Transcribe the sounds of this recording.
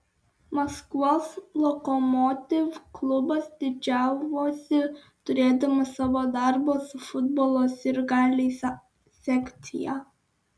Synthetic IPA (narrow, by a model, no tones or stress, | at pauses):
mɐskɔslˠɔkɔmɔt̪ʲɪʋklˠʊbɐsd̪ʲɪd͡ʒʲæˑʊʋoːsʲɪ | t̪ʊɾʲeːd̪ɐmɐsɑʋoːd̪ɑˑɾbosʊfʊd̪bɔːlˠoːsɪɾɡɑːlʲes | sʲɛkʲt̪ʲɪjɑ